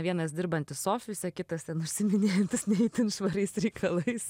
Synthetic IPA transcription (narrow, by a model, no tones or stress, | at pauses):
ʋʲiɛnɐsd̪ʲɪɾbɐnʲt̪ʲɪssoːfʲʋɪsʲɛkʲɪt̪ɐst̪ʲɛnʊʃʲsʲɪmʲɪnʲeːjɛnʲt̪ʲɪsnʲɛɪt̪ʲɪnʃʋɐɾʲɛɪsɾʲɛɪkʰɐlˠɐɪs